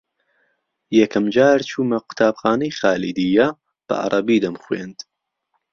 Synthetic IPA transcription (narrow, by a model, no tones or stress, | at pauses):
jɛkʰɐmd͡ʒaːɾt͡ʃʰuːmɐqʊ̥t̪ʰaːbxaːnɐjxaːlid̪ijɐ | b̥ɐ̰ʔɑ̰ɾˤʔɐbiːd̪ɐmxwḛːnd̪